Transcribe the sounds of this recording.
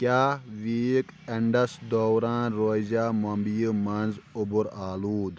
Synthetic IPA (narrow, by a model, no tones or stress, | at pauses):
kʲjaːʋiːkɐɳɖɐsd̪oːɾãːnɾoːzaːmɐmbijəmɐnzubuɾaːluːd̪